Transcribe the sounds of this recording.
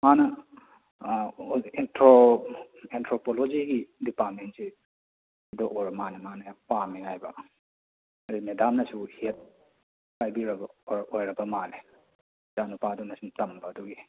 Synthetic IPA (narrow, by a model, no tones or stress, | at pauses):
manɐ | entɾo | entɾopolod͡ʒiɡidipaɾmentse | dɔʔoɾmanɐmanɐpamiɦajbɐ | dimedamnɐsuhit̚ | kajbiɾɐbɐɾojɾɐbɐmale | d͡ʒanupadunɐsutɐmbɐːduɡi